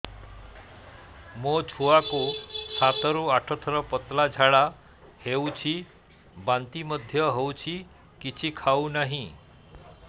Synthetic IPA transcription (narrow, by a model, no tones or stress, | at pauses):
mot͡ʃʰuakusat̪ɔɾuaʈʰɔt̪ʰɔɾɔpɔt̪lad͡ʒʱaɭa | hewt͡ʃʰi | bant̪imɔd̪ʱjɔɦewt͡ʃʰi | kit͡ʃʰikʰawnaɦĩ